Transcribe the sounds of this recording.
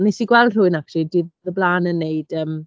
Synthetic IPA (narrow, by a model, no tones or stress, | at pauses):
nesiɡwɛlˠd̥r̥ʊɨnakridiððəblaːnənːeɨd̥əːm